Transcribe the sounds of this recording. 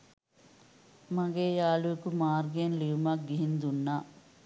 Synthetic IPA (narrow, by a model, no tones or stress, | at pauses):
maɡeːjaːlukumaːrɡenliumɐk̚ɡiɦind̪unːaː